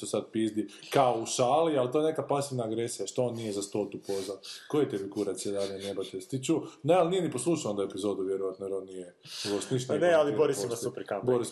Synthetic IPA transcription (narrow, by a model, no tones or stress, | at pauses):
osad̪̚pizd̪ikaouʃaːlialˠt̪o̞jenekapasiʋnaːɡɾesijaʃt̪ooːnːijezast̪ot̪upozakojet̪efiɡuɾat̪t͡s̪ijed̪ad̪ɲenebat̪est̪it͡ʃunealnije̞niposlˠuʃao̞nd̪aepizo̞d̪uʋjeɾojat̪noɾonːijeɡost̪niʃt̪nealiboɾisimosupɾkaboɾis